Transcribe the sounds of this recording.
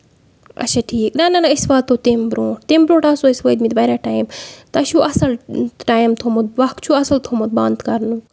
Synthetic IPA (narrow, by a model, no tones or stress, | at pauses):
ɐ̰t͡ʃʰaʈʰiːknɐnɐnɐisʋaːt̪ːot̪embɾõːʈ̚t̪eːmbɾõːʈasoisʋəːt̪̚mit̪ʋɐɾʲaʈaːjmt̪ɐt͡ʃʰuʔɐsɐlʈaːjmt̪ʰomot̪̚ʋɐkt͡ʃʰuɐsɐlt̪ʰomot̪̚bãːnd̪kɐɾnu